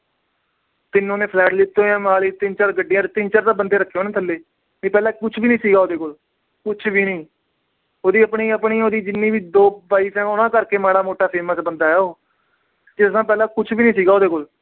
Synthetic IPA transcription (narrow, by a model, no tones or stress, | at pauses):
t̪ɪnːõːnẽːpʰlɛːʈliːt̪ːõːjãːmaːliːt̪ɪnt͡ʃəɾɡəɖːɪjãːt̪eːt̪ɪnt͡ʃaɾd̪aːbənd̪eːɾəkʰːeoːnãːt̪ʰəlːeː | mĩːpɛːlãːkʊt͡ʃʰbiːnĩːsiːɡaːoːd̪eːkol | kʊt͡ʃʰbiːnĩː | oːd̪iːəpɳĩːəpɳiːoːd̪iːd͡ʒɪnːiːbiːd̪oːbaːiːsɛ̃ːʊnãːkəɾkeːmaːɽaːmoːʈaːpʰeːmãːt͡ʃbənd̪aːɛːoː | d͡ʒet̪ʊsãːpɛːlãːkʊt͡ʃʰbiːnĩːsiːɡaːoːd̪eːkol